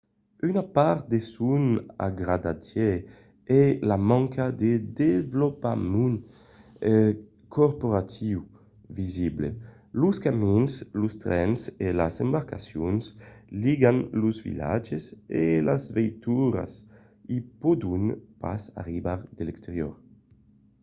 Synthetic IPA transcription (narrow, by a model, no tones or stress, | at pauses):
ynapaɾt̪̚d̪esuna̰ɡɾad̪ad̪je | ɛlamãŋkʰad̪ed̪evlopamun | kʰoɾpoɾat̪ʰiw | viziblḛ | luskaminslust̪ɾɛnselazɛmbaɾkasjonsliɡanluzvḭla̰d͡ʒeselazvɛjt̪uɾa̰s | ipod̪unpa̰sa̰ʁibaɾd̪elɛkst̪eɾjɔ̰ɾ